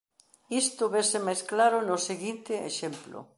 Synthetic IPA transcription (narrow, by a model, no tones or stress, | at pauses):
ist̪oβesemajsklaɾʊnoseɣint̪ɪeʃemplo̰